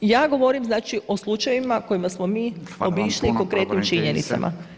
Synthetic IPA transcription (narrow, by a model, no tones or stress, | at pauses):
jaːɡo̞ʋo̞ɾimznaːt͡ʃiʔo̞slˠut͡ʃajimako̞imasmo̞miːo̞biʃliko̞ŋkɾeːt̪nimt͡ʃiɲenḭt̪sa̰mʔa̰